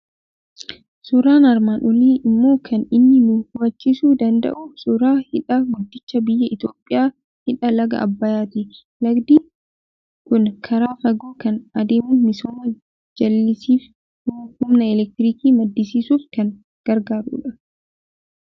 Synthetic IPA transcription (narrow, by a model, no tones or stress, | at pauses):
sʊɾaːnɐɾmaːnʔɔliːʔɪmːo̞ːkʰɐnɪnːɪnuːhʊwɐt͡ʃːisuːd̪ɐnd̪ɐ̰ʔʊsʊɾaːhɪᶑɐɡʊd̪ːɪt͡ʃːɐbɪjːɐɪt̪o̞ːpʼːɪjaː | hɪᶑɐlɐɡɐ̰ɐ̰bːɐjaːt̪i | lɐɡd̪iː | kʊnkʰɐɾaːfɐɡoːkɐnɐd̪eːmuːmɪsoːmɐ | d͡ʒɐlːɪsiːf | hʊmnɐɛlɛk̚t̪ɪɾiːkiːmɐd̪ːɪsiːsuːfkɐn | ɡ̥ɐɾɡaːɾṵːᶑɐ